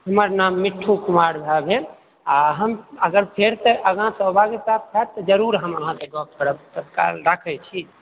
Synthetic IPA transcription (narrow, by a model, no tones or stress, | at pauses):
ɦəməɾnamːiʈʰːukumaɾbʱabe | aɦəməɡəɾpʰeɾt̪əʔəɡãsəbʱaɡisat̪̚ʰt͡ʃʰat̪ːɔd͡ʒəɾuɾɦəməɦãt̪eɡɔp̚kəɾəbt̪ət̪ka̰lɾakʰɛt͡ʃʰi